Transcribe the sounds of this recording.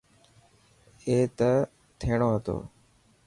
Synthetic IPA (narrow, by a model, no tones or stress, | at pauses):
eːt̪ə | t̪ʰeːɽ̃oːɦət̪o̰ː